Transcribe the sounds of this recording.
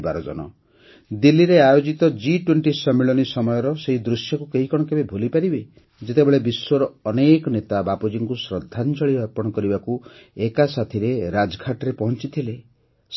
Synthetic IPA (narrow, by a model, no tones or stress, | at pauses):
baɾɔd͡ʒɔ̰nɔ̰ | d̪ilːiɾeajod͡ʒit̪ɔd͡ʒiʈweɳʈisɔmiɭɔnisɔmɔjɔɾɔseɦid̪ɾusjɔkukeɦikɔɽ̃ɔkebebʱolipaɾibe | d͡ʒet̪ebeɭebiswɔɾɔːneːkɔnet̪abapod͡ʒiŋkusɾɔd̪ʱːant͡ʃɔɭiɔɾpɔɽ̃ɔkɔɾibakuekasat̪ʰiɾeɾad͡ʒɔɡʱaʈɔɾepɔɦɔnt͡ʃit̪ʰile | s